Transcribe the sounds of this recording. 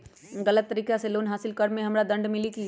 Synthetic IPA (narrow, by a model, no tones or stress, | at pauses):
ɡɐlət̪ːɐɾiːkaseloːnɦaːsɪlkɐɾmẽɦɐmɾad̪ɐ̃ɳɖmɪliki